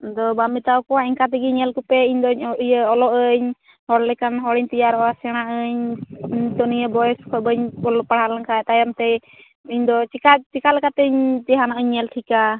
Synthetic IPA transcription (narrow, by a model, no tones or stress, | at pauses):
d̪ɔbamit̪awkɔwaɛŋkat̪̬ɛɡiɲɛlkupɛiɲd̪ɔɲʔjəɔlɔʔəɲ | hɔɽlɛkanɦɔɽiɲt̪ijaɾɔasɛɽ̃aʔəɲɲd̪ɔnijəbɔjɛskʰɔbəɲɔlɔpaɽ̤alaŋkaɛt̪ajamt̪ɛ | iɲd̪ɔt͡ʃikat͡ʃikalɛkat̪əɲt̪ɛɦanaʔəɲːɛlʈʰika